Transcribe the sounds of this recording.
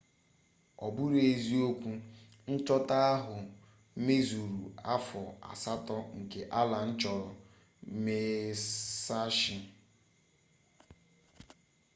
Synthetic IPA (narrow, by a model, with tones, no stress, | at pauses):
ɔ˨bʊ˦ɾe˨zi˦o˦kʷu˦ | n̩˦t͡ʃɔ˦ta˦a˦ɦʊ˨˦ | me˦zu˨ɾṵ˨a˦fɔ˨a̰˨sa˦tɔ˦ŋ̩˨ke˨ʔa˦la˨n̩˦t͡ʃɔ˨ɾɔ˨˦ | me˦ | sa˦ʃɪ˦